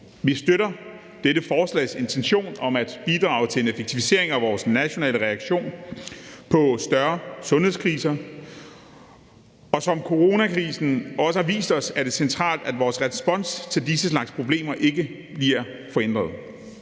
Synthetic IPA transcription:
ʋisd̥øɾɐ | d̥eɾəfɒːslɛ̰ɪse̝nt͡sʰenɕo̝̰ːnɒ̽mæd̥b̥id̥ʁɑ̰̈ʊt͡sʰe̝e̝nefeɡ̥̚t͡sʰifise̝ɐe̝ŋæʋɒːsnæɕo̝nɛ̰ːləʁɛɑɡ̥ɕo̝̰ːn | pʰɒ̽sd̥ɶɐsɔ̽nheskʰʁiːsɐ | ɒ̽sɒ̽mkʰo̝ʁo̝nækʰʁiːsn̩ɒ̽səhɑ̈ʋḭːsd̥ɒ̽sæɐd̥e̝sent͡sʰʁɑ̰̈ːld̥æd̥ʋɒːsʁɛsb̥ɒ̽n̰st͡sʰe̝ldisəslɑ̈ɡ̥spʰʁo̝b̥le̝̰ːmɐʔe̝ɡ̥ə | b̥liɐ̰ | fɒ̽en̰d̥ʁɐð̩ˠ

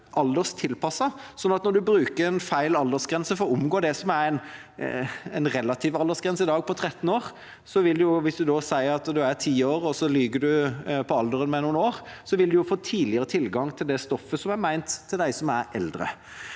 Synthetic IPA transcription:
ʔɑld̪əʁst̪ʰɪlpʰɑsːɑsɔnːɑt̪nɔɾd̪ʉbɾʉːkəɾɛnfæɪlɑld̪əʁsɡɾɛnsəfɔɾɔʊmɡoːd̪ɛsɔmæɾɛɪn | ɛɪnʁɛlːɑt̪ʰiːʋɑld̪əsɡʁɛnsəɪd̪ɑːɡ̚pʰɔt̪ʰɾɛt̪ːn̩oːʁ | sɔʋɪld̪ʉjʊʋɪsd̪ʉd̪oːsæɪəɑt̪d̪ʉæt̪ʰiːoːɾɔsɔlyːɡəd̪ʉpʰɔɑld̪əɾənmɛnuːnoːʁsɔʋɪld̪ʉjʊfoːt̪ʰiːdlɪəɾət̪ʰɪlɡɑŋt̪ʰɪld̪ɛst̪ɔfːəsɔmæɾmæɪnt̪ʰːɪld̪æɪsɔmæɾʔɛld̪ɾə̰

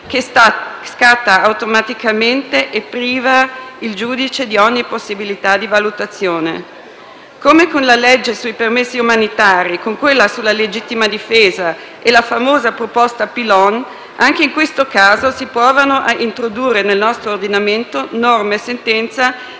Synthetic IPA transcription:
kesskat̪ːaːwt̪omat̪ikament̪eʔepːɾiːvaild͡ʒuːd̪it͡ʃed̪iɔɲːiposːibilit̪ad̪ivalut̪at̪sːjoːnḛ | komekonlalɛd͡ʒːesuipermesːiumanit̪aːɾikoŋkwelːasulːaled͡ʒit̪ːimad̪ifeːza | elafamoːzapɾopɔst̪aːpilɔn | aŋk̟eiŋkwest̪okaːzosipɔːvanoʔaint̪ɾod̪uːrːenelnɔst̪ɾoːrd̪inament̪onɔrmesent̪ɛnt̪sa

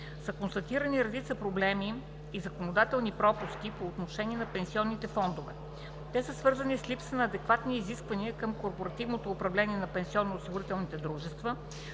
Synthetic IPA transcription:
səkonst̪ɐt̪iɾəniɾɛd̪it̪səpɾoblɛmiː | zɐkonod̪at̪ɛlˠnipɾɔpuskipoːt̪noʃɛniɛnɐpɛnsiɔnːit̪ɛfɔnd̪ovɛ | t̪ɛsəsvɤɾzənislʲipsənɐːd̪ɛkvat̪niːziskvɐniəkɤmkoɾpoɾɐt̪ivnot̪oːpɾɐvlɛniɛnɐpɛnsiɔnːoːsiɡʊɾit̪ɛlˠnit̪ɛd̪ɾuʒɛst̪və

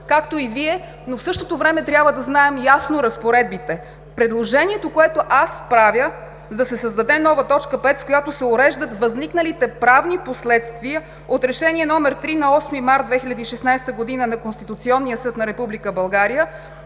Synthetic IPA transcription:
kakt̪oiviɛ | nofsɤʃt̪ot̪ovɾɛmɛt̪ɾʲabvəd̪ɐznaɛmjasnoɾɐspoɾɛd̪̚bit̪ɛ | pɾɛd̪lˠoʒɛniɛt̪okoɛt̪oʔaspɾavjə | zd̪ɐsɛsəzd̪ɐd̪ɛnɔvət̪ɔt͡ʃkəpɛt̪skojat̪osɛʊɾɛʒd̪ət̪vɐzniknəlit̪ɛpɾavniposlɛt̪st̪viə | ot̪ɾɛʃɛniɛnɔmɛɾt̪ɾinɐɔsmimaɾt̪d̪vɛxilʲɐd̪iːʃɛsnajst̪əɡod̪inənɐkonst̪it̪ut̪siɔnːijəsɤt̪nɐɾɛpublikəbɐlˠɡaɾijə

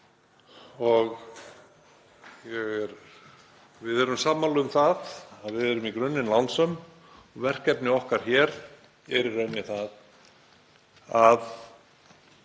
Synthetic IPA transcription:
ɔɣ | jɛɣɛɾ | vɪðɛɾʏmsaːmalœʏmθaðaðvɪðɛɾʏmikɾʏnːɪnlansœm | ɔɣvɛr̥kɛpnɪɔhkaɾ̥çɛːɾ | ɛɾɪɾejnːɪθað | að

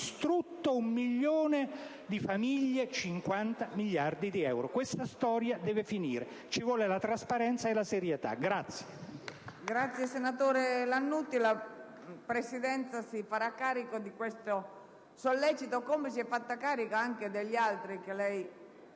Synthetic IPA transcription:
st̪ɾut̪ːoumːiʎːoːne | d̪ifamiʎːet͡ʃiŋkwant̪amiʎːard̪id̪iɛwɾokwest̪ast̪ɔːɾjad̪ɛːvefiniːɾe | t͡ʃivwɔːlelat̪ɾaspaɾɛnt̪saelaseɾjet̪a̰ɡɾat̪sːje̥ | ɡɾat̪sjesenat̪oːɾelanːut̪ːila | pɾesid̪ɛnt̪sasifaɾakːaːɾikod̪ikwest̪o | solːɛt͡ʃit̪okomesiɛfːat̪ːakaːɾikoaŋked̪eʎːalt̪ɾikelɛj

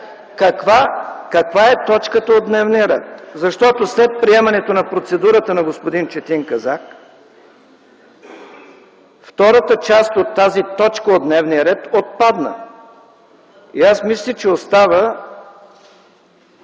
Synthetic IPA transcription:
kɐkvakɐkvaɛt̪ɔt͡ʃkət̪əod̪nɛvnijəɾɛ̰t̪zɐʃt̪ɔt̪oslɛt̪̚pɾiɛmɐnɛt̪onɐpɾot̪sɛd̪uɾət̪ənɐɡospod̪int͡ʃɛt̪iŋkɐzak | ft̪ɔɾət̪ət͡ʃast̪ot̪ːazit̪ɔt͡ʃkəod̪nɛvniəɾɛt̪ot̪̚pad̪nə̰ | iasmislʲit͡ʃɛost̪avə

